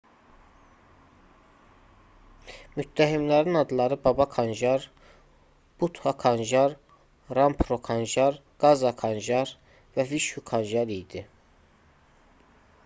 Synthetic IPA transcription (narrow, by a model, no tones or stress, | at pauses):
myt̪ːæɦimlæɾinɑd̪ɯlˠɑɾɯbɑbɑkʰɑnʒɑɾ | b̥ut̪ʰhɑkʰɑnʒɑɾ | ɾɑmpʰɾokʰɑnʒɑɾɡ̥ɑzɑkʰɑnʒɑɾ | væviʃukʰɑnʒɑɾijd̪i